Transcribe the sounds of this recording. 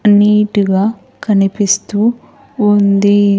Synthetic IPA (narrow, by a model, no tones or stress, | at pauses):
niːʈiɡaː | kɐnipist̪uː | nd̪i